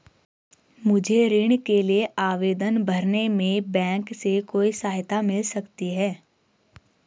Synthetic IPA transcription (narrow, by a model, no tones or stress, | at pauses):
mʊd͡ʒʱeɾɪɽ̃kelieʔaːʋeːd̪ənbʱɐɾnemẽbɛ̃ːŋksekoːisaːɦɪt̪amɪlsɐkt̪iɦɛː